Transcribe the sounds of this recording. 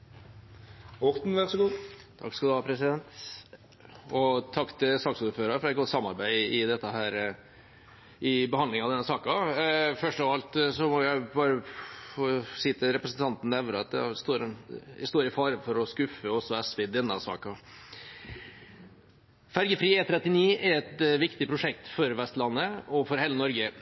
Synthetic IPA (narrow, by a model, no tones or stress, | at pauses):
ɔʁt̪n̩ʋæʁsɔɡuːt̪ʰɑ̰kskɑld̪ʉʋɑːɾpʰɾɛsɪd̪ɛnt̪ | ɔt̪ʰɑkːt̪ʰɪsɑːksuːɾføːɾɑɾfɾɑɛt̪̚ɡɔt̪sɑmːɑɾbæɪɪd̪ɛt̪ːəɦæːɾ | ɪbəhɑnd̪ɪŋɑʋd̪ɛnːəsɑːkɑfœʂʈɔʋɑlt̪sɔmɔjæɪbɑːɾəfosiːt̪ʰɪɾɛpɾəsn̩t̪ʰɑnt̪n̩ːɛʋnəɑt̪̚d̪ɛ̰st̪oːɾɪst̪oːɾɪfɑːɾəfɔɾɔskʉfəɔsːɔɛsʋɛd̪ɛnːəsɑ̰ːkɑ | fæɾɡəfɾiːɛːt̪ʰɾɛt̪ːɪniːɛɾɛt̪ʋɪkt̪ɪpʰɾʊʂɛk̚t̪fɔɾʋɛst̪lɑnːəɔfɔɾɦeːlənɔɾɡə